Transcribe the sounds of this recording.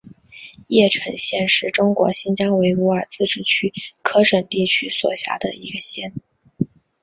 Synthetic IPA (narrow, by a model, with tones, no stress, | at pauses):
jɛ˥˩ʈ͡ʂʰə˧˥ŋɕjɛ˥˧nʂɻ̩˥˩ʈ͡ʂʊ˥ŋkwɔ̰˧˥ɕi˥nt͡ɕjɑ˥ŋwe˧˥ɪu˧˥ə˞˨˩t͡sɹ̩˥˧ʈ͡ʂɻ̩˥˩t͡ɕʰy˥kʰɤ˥ʂə˨˩nt̪i˥˩t͡ɕʰy˥swɔ̰˨˩ɕja̰˧˥d̪ə̰˧i˧˥ɡə˧ɕjɛ˥n